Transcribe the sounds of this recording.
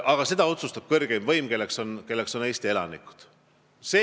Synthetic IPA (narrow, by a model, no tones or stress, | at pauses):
ʔɑɡ̥ɑse̞d̪̥ɑo̞t̪sust̪ɑb̥kɤrɡ̥emvɤjmke̞lːekso̞nke̞lːekso̞ne̞ːst̪ie̞lɑ̰nḭku̥d̪̥ | se